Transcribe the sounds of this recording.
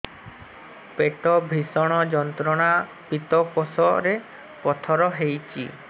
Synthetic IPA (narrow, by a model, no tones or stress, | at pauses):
peʈɔbʱisɔɽ̃ɔd͡ʒɔnt̪ɾɔɽ̃a | pit̪ɔkosɔɾe | pɔt̪ʰɔɾɔɦejt͡ʃʰḭ